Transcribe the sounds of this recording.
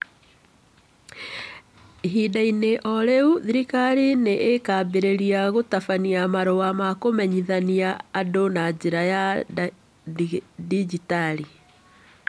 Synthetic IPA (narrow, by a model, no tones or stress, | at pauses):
ɦidaineʔɔɾeuðiɾikaɾineʔekabeɾeɾiaɣotafaniamaɾowamakomɛɲiðaniaːdonad͡ʑeɾaja | did͡ʒitali